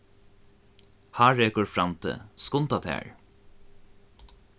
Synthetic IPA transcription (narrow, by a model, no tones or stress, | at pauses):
haːɹɛːkəɹfɹamt̪ʰə̰skʊnt̪at̪ʰɛ̰ːɹ